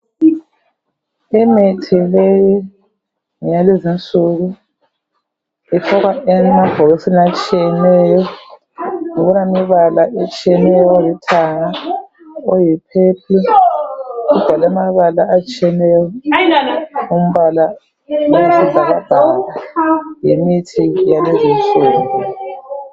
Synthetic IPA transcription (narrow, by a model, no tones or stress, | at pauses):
ɛmetʰileji | ŋjalezint͡sʼuɣu | itʰɔɣwaʔɛnɛmab̥ʱɔɣesinat͡ʃʼijɛnɛjɔ | ŋoɣunamiβalaʔet͡ʃʼijɛnɛjɔjitʰaŋa | ojipʰepʰi | ud̥ʱalɛmaβalaat͡ʃʼiɛnɛjɔ | um̩βala | ousʰizʱaɣab̥ʱaɣajimitʰijalezint͡sʼuːŋɡu